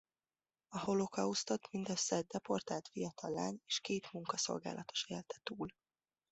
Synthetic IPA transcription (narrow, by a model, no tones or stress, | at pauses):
ɒho̞lo̞kɒust̪ot̪mind̪ɛsɛd̪̚d̪ɛpo̞rt̪alt̪fijɒt̪ʰɒlːaːneːʃkeːt̪muŋkɒso̞̰lɡa̰ːlʔɒt̪o̞̥ʃeːlt̪ɛ̥t̪uːl